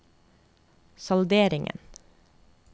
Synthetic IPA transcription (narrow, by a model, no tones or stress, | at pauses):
sɑld̪eːɾɪŋʔə̰n